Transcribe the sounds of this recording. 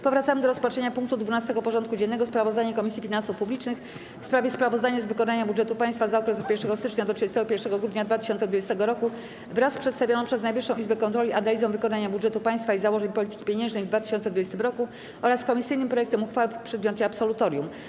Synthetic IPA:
pɔvɾat̪samɘd̪ɔɾɔspat͡ʂʂɛɲapuŋk̚t̪ud̪vunast̪ɛɡɔpɔʐɔnt̪kud͡ʑɛnːɛɡɔspɾavɔzd̪aɲɛkɔmʲisʲjifʲinansufpublʲit͡ʂnɘx | fspɾavʲjɛspɾavɔzd̪aɲazvɘkɔnaɲabudʐɛt̪upajst̪fazaɔkɾɛsɔt̪pʲjɛɾʂɛɡɔst̪ɘt͡ʂɲad̪ɔtʂɨd͡ʑɛst̪ɛɡɔpʲjɛɾʂɛɡɔɡɾud̪ɲad̪vat̪ɘ̥ɕɔnt̪sɛd̪vud͡ʑɛst̪ɛɡɔɾɔku | vɾaspʂɛt̪st̪avʲjɔnɔ̃pʂɛznajbvɘʂːɔ̃w̃ʔizbɛkɔnt̪ɾɔlʲiʔanalʲizɔ̃w̃vɘkɔnaɲabudʐɛt̪upaj̃st̪faizawɔʐɛɲpɔlʲit̪ɘ̥kʲi̥pʲjeɲɛ̃nʐnɛjvd̪vat̪ɘ̥ɕɔnt̪sɛd̪vud͡ʑɛst̪ɘmɾɔku | ʔɔɾaskɔmʲisɘjnɘmpɾɔjɛkt̪ɛmuxfawɛpʂɛd̪mjɔt̪ɛapsɔlut̪ɔɾʲjum

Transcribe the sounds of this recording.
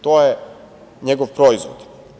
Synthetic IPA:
t̪ojɛ | ɲɛɡofpɾɔizvo̰t̪

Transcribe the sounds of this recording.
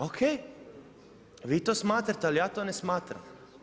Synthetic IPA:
okʰej | ʋiːt̪oːsmaːt̪ɾat̪ɛalijaːt̪oːnesmaːt̪ɾa̰m

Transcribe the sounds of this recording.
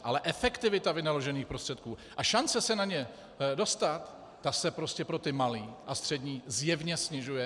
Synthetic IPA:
ʔalɛʔɛfɛkt̪ɪvɪt̪avɪnalo̞ʒɛniːxpɾo̞st̪r̥ɛt̪̚kuːʔaʃant͡sɛsɛnaɲɛ | do̞st̪at̪ː | asɛpɾo̞scɛpɾo̞t̪ɪmaliːʔast̪r̥ɛdɲiːzjɛvɲɛsɲɪʒujɛ

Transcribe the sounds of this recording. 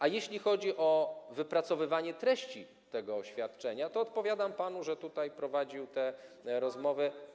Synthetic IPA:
ʔajeɕlʲixɔd͡ʑiʔɔvɘpɾat̪sɔvɘvaɲɛt̪ɾɛɕt͡ɕi | t̪ɛɡɔːɕfʲjat̪t͡ʂɛɲat̪ɔːt̪̚pɔvʲjad̪ampan̪uʐɛt̪ut̪ajpɾɔvad͡ʑiwt̪ɛ | ɾɔzmɔvɘ

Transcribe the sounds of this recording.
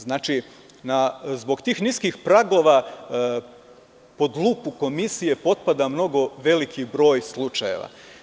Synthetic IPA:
znaːt͡ʃi | nazbo̞ɡt̪iːxniskixpɾaɡo̞ʋa | po̞d̪lˠuːpuko̞misije̞po̞t̪̚pad̪amno̞ɡo̞ʋe̞likibɾo̞ːjslˠut͡ʃajḛʋa̰

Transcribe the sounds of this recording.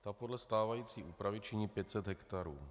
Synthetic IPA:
t̪apo̞dlɛst̪aːvajiːt͡siːʔuːpɾavɪt͡ʃɪɲiːpjɛt̪sɛd̪ɦɛkt̪aɾuː

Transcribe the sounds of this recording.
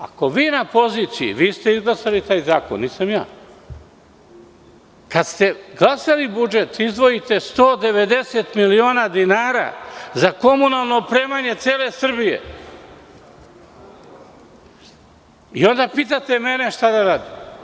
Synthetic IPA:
a̰ko̞ʋiːnapo̞ziːt̪sijḭʋiːst̪e̞izɡlˠasalit̪aːjzaːko̰nːiːsamja̰ː | kad̪st̪e̞ɡlˠasalibud͡ʒe̞t̪izd̪ʋo̞jit̪e̞st̪o̞ːd̪e̞ʋe̞d̪e̞se̞t̪milio̞ːnad̪inaːɾa̰zako̞munalˠno̞ːpɾe̞ːmaɲe̞t̪seːle̞sr̩bijḛ | io̞nd̪apiːt̪at̪e̞me̞ne̞ʃt̪ad̪aɾaːd̪i

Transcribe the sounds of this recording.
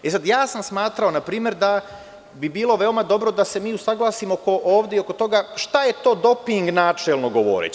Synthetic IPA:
esad̪jaːsamsmaːt̪ɾao̞napɾiːmje̞ɾd̪a | bibiːlˠo̞ʋe̞omad̪o̞bɾo̞d̪ase̞miːusaɡlˠaːsimoko̞ʔoːʋd̪eio̞ko̞t̪o̞ɡaʃt̪aje̞t̪o̞ːd̪o̞piŋɡnaːt͡ʃelˠno̞ɡoʋo̰ɾḛ

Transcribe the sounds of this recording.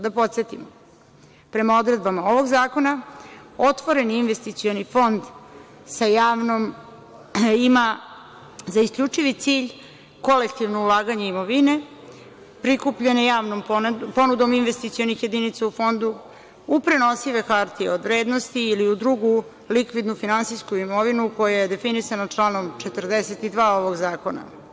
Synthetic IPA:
d̪apo̞t̪se̞t̪imo | pɾe̞mao̞d̪ɾe̞d̪bamao̞ʋo̞ɡzaːko̞nao̞t̪ʋo̞ɾe̞niːnʋe̞st̪it̪sio̞nifo̞nd̪ | sajaːʋnom | ima | zaiskʎʲut͡ʂiʋit̪siːʎ | ko̞lekt̪iʋnoulˠaːɡaɲeimo̞ʋine̞ | pɾikupʎenejaːʋnompo̞nud̪o̞minʋe̞st̪it̪sio̞nixje̞d̪init̪saufo̞nd̪u | upɾeno̞siʋe̞kaɾt̪iod̪ʋɾeːd̪nost̪iːliud̪ɾuɡu | likʋid̪nufinansiskuimo̞ʋinuko̞jaje̞d̪e̞finisanat͡ʂlˠaːno̞mt͡ʃet̪ərd̪eset̪id̪ʋaːo̞ʋo̞ɡzaːko̞na̰

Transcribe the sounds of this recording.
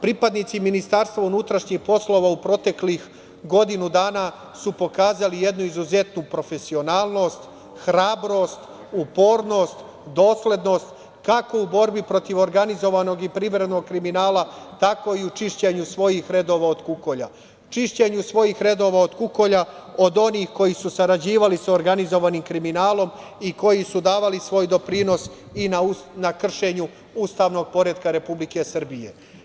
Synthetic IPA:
pɾipad̪nit̪siminist̪aɾst̪ʋaunut̪ɾaʃɲixpo̞slˠo̞ʋaupɾo̞t̪e̞klix | ɡo̞d̪inud̪aːna | supo̞kaːzalije̞d̪nuizuze̞t̪nupɾo̞fe̞sio̞naːlˠno̞ːst̪ | xɾaːbɾo̞st̪ | upo̞ːɾno̞ːst̪ | d̪o̞ːsle̞d̪no̞st̪ | kako̞ubo̞ɾbipɾo̞t̪iʋo̞ɾɡanizo̞ʋano̞ɡipɾiʋɾe̞d̪no̞ɡ̚kɾiminaːlat̪ako̞iut͡ʃiʃt͡ɕe̞ɲusʋo̞jixɾe̞d̪o̞ʋao̞d̪kuko̞ʎa̰ | t͡ʃiʃt͡ɕe̞ɲusʋo̞jixɾe̞d̪o̞ʋao̞d̪kuko̞ʎao̞d̪o̞nixko̞jisusaɾad͡ʑiːʋalisaoɾɡanizo̞ʋaniːmkɾiminaːlo̞m | iko̞jisud̪aːʋalisʋo̞ːjd̪o̞pɾino̞s | inanakr̩ʃeɲu | ust̪aʋno̞ɡ̚po̞ɾed̪kaɾe̞publike̞sr̩bije̞̰

